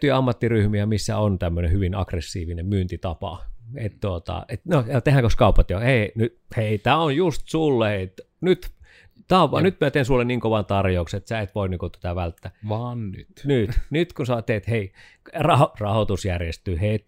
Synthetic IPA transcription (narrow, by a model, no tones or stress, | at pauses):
yiɑmːɑt̪ːiryhmiæmisːæ̰ont̪æmːønehyʋinɑ̰kresːiːʋinemmyːnt̪it̪ɑpɑ̰et̪t̪uot̪ɑ̰et̪nojɑt̪ehæŋkoskɑupɑt̪joheinyt̪heit̪æːonjust̪sulːeet̪ | nyt̪ | t̪æoʋɑnyt̪mæt̪eˑinsulːenniːŋkoʋɑnt̪ɑrjoukset̪sæˑet̪ʋoiniːŋkot̪æ̥t̪æʋælt̪ːæʋɑːnny̰nyt̪nyt̪kunsoɑt̪ːeet̪hei | rɑhorɑhot̪usjærjest̪yːhet̪